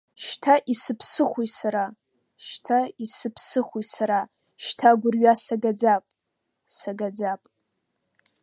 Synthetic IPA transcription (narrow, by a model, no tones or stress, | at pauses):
ʃtʰaʔisɨpʰsɨχʷujsaɾa | ʃtʰaisɨpʰsɨχʷujsaɾa | ʃtʰaɡʷʊrɥasaɡad͡zapʼ | saɡad͡zapʼ